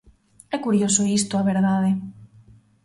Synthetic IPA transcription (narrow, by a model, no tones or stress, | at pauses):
ɛkuɾjosʊist̪ʊaβeɾðaðe